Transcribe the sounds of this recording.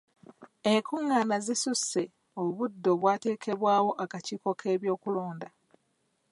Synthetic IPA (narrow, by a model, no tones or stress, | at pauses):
e̞ŋkuŋːanazisuse̞ | o̞βudːo̞βwaːte̞ːkʰe̞βwaːwo̞ʔakaciːko̞kʰe̞ːβjo̞ːkulo̞ːnda